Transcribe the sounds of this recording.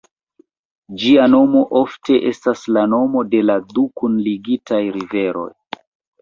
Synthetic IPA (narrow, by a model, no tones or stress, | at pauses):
d͡ʒiano̞mo̞ʔo̞fte̞ʔe̞staslano̞mo̞de̞ladukunliɡitajɾive̞ɾo̞̰j